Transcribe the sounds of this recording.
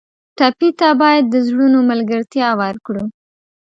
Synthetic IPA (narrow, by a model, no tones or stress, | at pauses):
ʈapit̪abɑjad̪ːəzɽunomalɡəɾt̪jɑwaɾkɽu